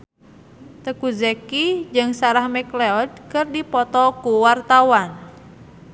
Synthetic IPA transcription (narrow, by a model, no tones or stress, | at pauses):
t̪əkuzəkid͡ʒɨŋsaɾahmɛkleɔd̚kɨrdipɔt̪ɔkuwart̪awan